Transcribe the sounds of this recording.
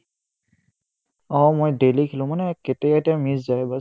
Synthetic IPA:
ɔmojdelikʰilʊ̃manɛketɛɛtiamiszajba

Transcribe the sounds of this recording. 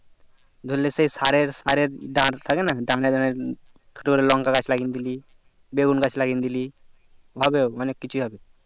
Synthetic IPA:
d̪ʱolːesəisaɾeɾsaɾeɾɖãɽt̪ʰakenaɖãɽed̪aneɾ | kʰəʈukəɾelɔŋkaɡat͡ʃʰlaɡind̪ili | beɡunɡat͡ʃʰlaɡind̪ili | ʋɔbewmanekːit͡ʃʰiɦɔbe

